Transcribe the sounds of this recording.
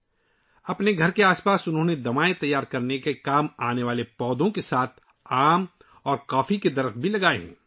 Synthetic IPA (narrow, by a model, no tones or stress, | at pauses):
ɐpneɡʱɐɾkeaːspaːsʊnɦõːned̪ɐmaːet̪ɐjːaːɾkɐɾnekekaːmaːneʋaːlepɔːd̪õkesaːt̪ʰ | aːm | ɔːɾqaːfiked̪ɐɾəfbʱilɐɡaːḛɦɛ̰̃ː